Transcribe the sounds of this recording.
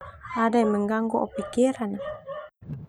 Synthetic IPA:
adajməŋɡaŋɡuʔo̰pikiɾana

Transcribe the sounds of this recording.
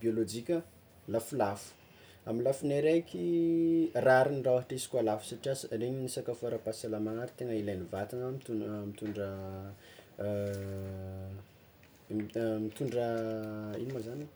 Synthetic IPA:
biolod͡ʒikʲə | lafulafu̥ | amilafuneɾekʰʲi | raɾinirawaʈ͡ʂisi̥kwalafu̥saʈ͡ʂiasəreɲinisakafoɾapasalamaŋaɾit̪eŋəilenivat̪anamit̪umit̪uɳɖ͡ʐə | mit̪uɳɖ͡ʐə | inimazani

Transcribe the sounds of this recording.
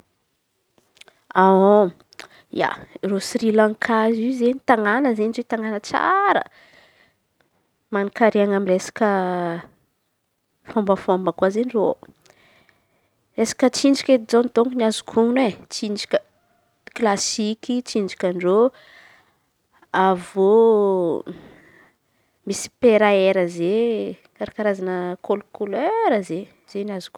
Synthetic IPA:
ao | j̰a̰rosrilãŋkʰazizeɲit̪aŋanəzenizet̪aŋanət͡sa̰ɾə̰ | manikaɾeaŋamiresḁkə | fombəfombəkuazeniro | ɾesḁkət͡sind͡ʒikʲet̪id͡zont̪oŋkuniazu̥kʰunet͡sinɖ͡ʐikʲə | klasikit͡sind͡ʒi̥kʲanɖ͡ʐo | avo | misi̥peɾaeɾəze | kaɾakaɾazanəkolukuleɾəze | z̥enazu̥ku

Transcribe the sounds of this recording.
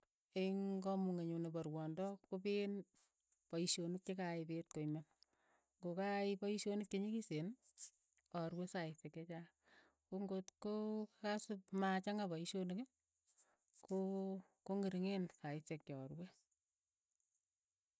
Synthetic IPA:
eŋɡɔmuŋeɲunebɔɾwɔndɔkopen | paiʃonɪk̚t͡ʃekaɪpet̚koimen | ŋɡokaɪpaiʃonɪt̚keɲikisen | ɔɾwesaɪseket͡ʃa | koŋɡotkokasɪpmat͡ʃaŋabaiʃonike | ko | koŋiɾiŋensaɪsek̚jɔːɾwe

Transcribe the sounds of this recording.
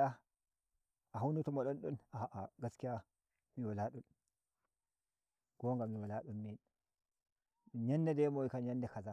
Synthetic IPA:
a | aɦawnutumaɗɔnɗunaʔaɡaskija | miwalaɗun | ɡ̥oŋɡamiwalaɗunmin | ɲanːedemoikaɲandɛkaza

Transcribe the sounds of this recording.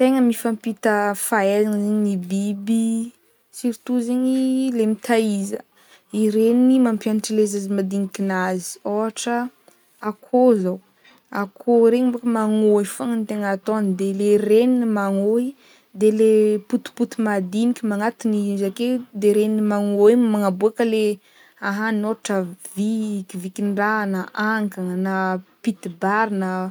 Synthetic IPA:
t̪eŋəmifampit̪əfaelanəzeɲinibibi | siɾt̪uzeɲilemit̪ʰaizə | iɾenimampjanaʈ͡ʂəlezazimad̪inikʲinazi̥oaʈ͡ʂə | akʰozaw | akʰoɾeɲmbokəmaŋoifoŋənt̪eŋat̪onid̪elereninimaŋoi | d̪eleput̪u̥put̪umad̪inikʲimaŋat̪inizaked̪eɾeninmaŋoemaŋabuakəle | aɦanoʈ͡ʂəvikivikinɖ͡ʐanəʔaŋkaŋanapit̪ibaɾinə

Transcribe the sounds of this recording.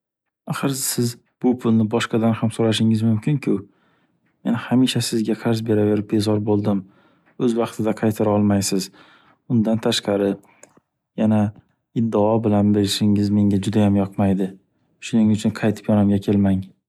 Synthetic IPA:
aχɨɾsɪz | b̥ʊpʰʊlˠnɪbɒʃqɑd̪anhamsoɾaʃ̬ɪŋɪzmʊmkʲʰɪŋkʲʰʊ | me̞nhamiʃasɪzɡʲaqʰaɾzbe̞ɾave̞ɾɪp̚be̞zɒɾbolˠd̪ɪm | ɵzvɑqt̪ʰɪd̪aqʰɑjt̪ʰaɾaɒlˠmajsɪz | ʊnd̪ant̪ʰaʃqɑɾɪ | jana | ɪd̪ːaɒbɪlanbeɾʃɪŋɪzme̞ŋʲad͡ʒʊd̪ajamjɒqmajd̪ɪ | ʃʊnɪŋʊt͡ʃʰʊnqʰɑjt̪ʰɪ̥pjɒnamɡʲakʲʰe̞lmaŋ

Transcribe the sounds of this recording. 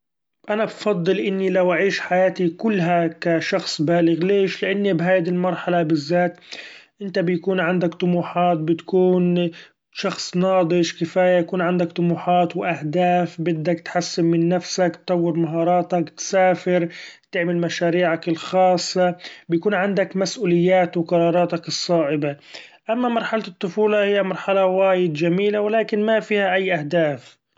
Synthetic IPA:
ʔanabfɑd̪ˤːɨlʔɪnːilawʔaʕiːʃħajaːt̪ikʊlːɦakaʃɑxsˤbaːlɪɣleːʃlɪʔanːibɦaːjd̪ilmɑɾˤħalabɪzːaːt̪ʔɪnt̪abɪjkuːnʕand̪akt̪ˤʊmuːħɑːt̪̚bɪt̪kuːn | ʃɑxsˤnɑːd̪ˤɨʃkɪfaːjajakuːnʕand̪akt̪ˤʊmuːħɑːt̪wʔahd̪aːfbɪd̪ːakt̪ħasːɪmmɪnːafsakt̪t̪ːˤɑwːɪɾmaɦɑːɾˤɑːt̪akt̪saːfɪɾt̪ɪʕmɪlmaʃaːɾiːʕakɪlxɑːsˤːɑbɪjakuːnʕand̪akmasʔuːlɪjːaːt̪wɪqɑɾˤɑːɾˤɑːt̪ɑkɨsˤːɑːʔɪba | ʔamːamɑɾˤħalɨt̪ˤːʊfuːlɑhɪjːamɑɾˤħalawaːjɪd̪d͡ʒamiːlawɪlaːkɪnmafiːhaʔajːʔahd̪aːf

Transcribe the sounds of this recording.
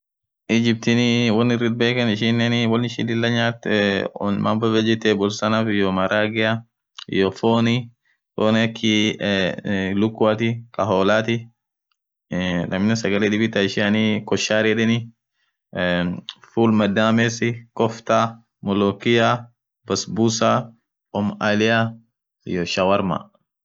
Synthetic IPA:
ʔɪd͡ʒɪb̚t̪ɪnɪwɐnːɪrːɪd̪̚beːkɐnɪʃɪnːɛnɪwɐlnɪʃɪ̰lɪlːɐɲaːt̪ | ma̰ːmbɐbɛd͡ʒɛt̪ːɛbɔlsɐnafɪjɔmɐɾaːɡɪa̰ | jɔfoːnɪ | foːnɛɐkʰːɪ | lʊkːʊat̪ɪkʼɐɦoːlaːt̪ɪ | lɐmnɛsɐɡɐlɛᶑɪbɪt̪ɐɪʃɪɐnikɔʃːaːɾɪᶑɪnɪ | fuːlmɐd̪ːaːmɛsɪkɔft̪a | mɔlɔkɪja | bɐsbusa | ɔmalɪja | ɪ̰jɔʃɐwɐɾma̰

